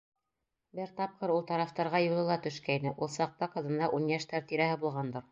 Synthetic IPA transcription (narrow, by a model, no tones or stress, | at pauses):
bɘɾt̪ɑp̚qɤɾulˠt̪ɑɾɑft̪ɑɾʁɑjulˠɤ̆lˠɑt̪ɵ̆ʃkæinɘʔulˠsɑq̚t̪ɑqɤ̆ðɤ̆nd̪ɑʔunjæʃt̪æɾt̪iɾæɦɘbulˠʁɑnd̪ɤɾ